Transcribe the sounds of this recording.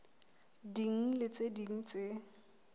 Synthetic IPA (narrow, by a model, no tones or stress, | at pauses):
diŋ̩lɪt͡sediŋ̩t͡sʼe